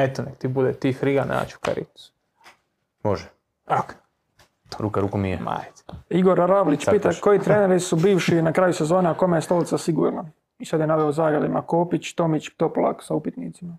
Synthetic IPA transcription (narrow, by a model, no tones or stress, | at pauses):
et̪onekt̪ibud̪et̪ifɾiɡana̰ːt͡ɕu̥ka̰ɾḭt̪su̥ | moʒɛ | ak | t̪oɾukaɾukumiḛma̰ːjt̪iɡo̞ɾɾaʋlit͡ɕppiːt̪akojit̪ɾeneɾisubiːʋʃinakɾaːjuse̞zoːneako̞mejest̪o̞lit̪sasiɡṵːɾna | isad̪jenaʋeozaːɡad̪imakoːpit͡ɕt̪o̞mit͡ɕt̪o̞plˠa̰ksaupit̪nḭːt̪sima